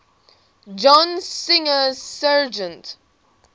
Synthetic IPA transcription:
d͡ʒɔ̃nsɪ̃ŋəsad͡ʒə̃nt

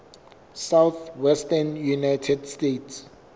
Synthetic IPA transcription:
sawθwɛstanjunajtʰɛdstetʰs

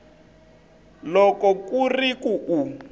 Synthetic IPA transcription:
lɔkɔkurikuʔu

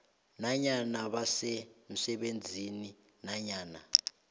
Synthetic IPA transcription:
naɲanaɓasem̩sɛɓend͡zʱini | naɲaːna

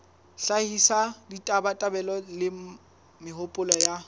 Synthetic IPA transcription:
ɬahisaditʼabatʼabɛlɔlɪ | mɪɦʊpʼʊlɔja

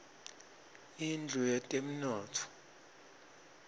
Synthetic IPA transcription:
ind͡ɮʱujɛtʼem̩nɔːtʰɔ̥

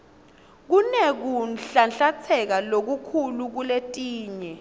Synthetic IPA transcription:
k̬unɛk̬unɬanɬat͡sʰɛk̬alok̬ukʰuluk̬uletʼiːɲɛ

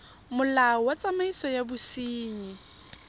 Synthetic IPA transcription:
mʊlawat͡sʼamaisɔjabʊsiːɲi

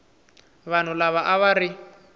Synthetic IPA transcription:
βan̤ulaβaʔaβaɾi

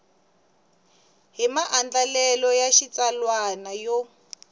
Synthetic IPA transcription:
ɦimaʔand͡ɮalɛlɔjaʃit͡salwanajɔ

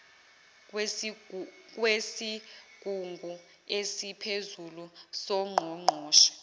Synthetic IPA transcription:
k̬ʼwesikʼuŋɡʱu | esipʰezulusɔŋ͡ǃʱɔŋ͡ǃʱɔːʃɔ̥

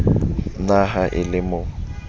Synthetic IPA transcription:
naɦaʔɪlɪmʊː

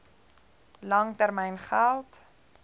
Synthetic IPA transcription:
lɐŋtærmɛjnχælˠt

